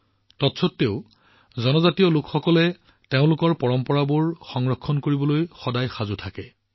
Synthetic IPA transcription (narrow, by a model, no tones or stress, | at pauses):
tɔtsʰɔtːeʊ | zɔnɔzatijɔlʊkxɔkɔlɛ | teʊ̃lʊkɔɹpɔɹɔmpɔɹabuɹxɔŋɹɔkʰːɔnkoɹibɔlojxɔdajxazutʰakɛ